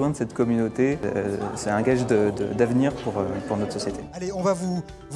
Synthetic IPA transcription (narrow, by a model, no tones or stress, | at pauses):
wɛ̃d̪əsɛt̪kɔmynot̪esɛɛ̃ɡaʒd̪əd̪ə̰d̪avniʁpuʁøpuʁnɔt̪χsɔsjet̪ʰealeɔ̃vavu | v